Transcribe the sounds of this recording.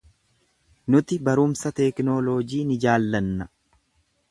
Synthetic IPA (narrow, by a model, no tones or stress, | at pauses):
nʊt̪ɪbɐɾʊmsɐt̪ɛːknoːloːd͡ʒiːnɪd͡ʒaːlːɐnːɐ